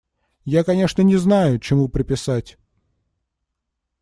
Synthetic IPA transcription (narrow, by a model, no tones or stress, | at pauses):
jakɐnʲe̞ʂnənʲɪznajʊt͡ɕɪmupɾʲɪpʲɪsatʲ